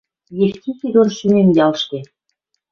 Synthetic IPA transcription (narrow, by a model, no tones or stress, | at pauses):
jexk̪ʲit̪iɣonʃynemjɑlʃt̪e